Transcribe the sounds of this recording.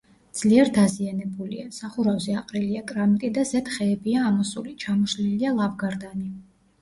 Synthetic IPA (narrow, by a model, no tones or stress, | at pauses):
d̪z̥liɛɾd̪azianɛbulḭasaχuɾavzɛaqʼɾiliakʼɾamiɾʼid̪azɛt̪χɛːbiaːmɔsulit͡ʃʰamɔʃlilialˠavɡaɾd̪ani